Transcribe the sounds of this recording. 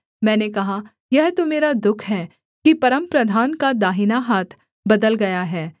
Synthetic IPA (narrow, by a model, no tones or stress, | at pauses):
mɛ̃ːnekɐɦa | jɛɦt̪omeːɾad̪ʊkʰɦɛː | kipɐɾəmpɾɐd̪ʱaːnkad̪aːɦɪnaɦaːt̪ʰ | bɐd̪əlɡɐjaɦɛː